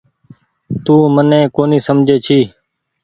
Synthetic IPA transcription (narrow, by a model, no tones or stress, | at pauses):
t̪uːmənẽːkoːniːsəmd͡ʒʱeːt͡ʃʰiː